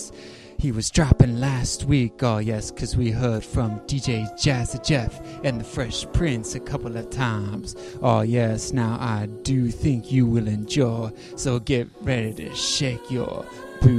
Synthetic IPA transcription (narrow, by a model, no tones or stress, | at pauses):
hiwʌzdɹ̥æpɨ̃ŋlæst̚wikɔjɛskʰʌzwiɦɜ˞d̥fɹʌ̃mdid͡ʒeɪd͡ʒæsɨd͡ʒɛf | ɨ̃nðɨfɹɛʃpʰɹ̥ɪ̃nsɨkʰʌpl̩ˠʌv̥tʰãɪ̃mz̥ | ʔojɛsnaʊʔaɪdɨθɪ̃ŋkʰjɨwɪlˠɨ̃nd͡ʒɔɪ | soʊɡɛt̚ɹɛɾiɾɨ̰ʃeɪkʰjə̰˞ | b̥ʉ